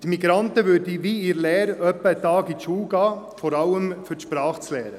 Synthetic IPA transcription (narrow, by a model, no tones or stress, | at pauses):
d̥̪imiɡɾɑnt̪əʋʏɾdiʋiiːɾlɛːɾœpːət̪ɑːɡiʃuːɡɑː | fɔɾɑləmfytʃpɾɑːχt͡slɛːɾə